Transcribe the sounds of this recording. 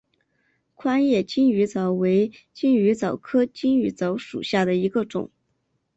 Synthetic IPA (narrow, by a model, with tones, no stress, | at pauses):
kʰwa˥njɛ˥˩t͡ɕi˥ny˧˥t͡sɑ˧˥ʊwe˧˥ɪt͡ɕi˥ŋy˧˥t͡sɑ˨˩ʊkʰɤ˥t͡ɕi˥ŋy˧˥t͡sɑ˧˥ʊʂṵ˨˩ɕja˥˩d̪ə˩i˧˥ɡə˧ʈ͡ʂʊ̰˨˩˦ŋ